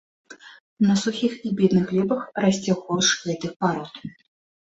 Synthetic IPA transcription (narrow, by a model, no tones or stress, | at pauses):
nɐsuxʲixibʲɛd̪nɨxlʲɛbɐxrasʲt͡sʲɛwxɔwʂɣɛt̪ɨxpaɾɔt̪